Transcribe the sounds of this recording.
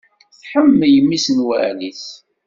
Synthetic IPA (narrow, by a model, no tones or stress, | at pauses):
θħəmːjəmːisnwæ̰liθ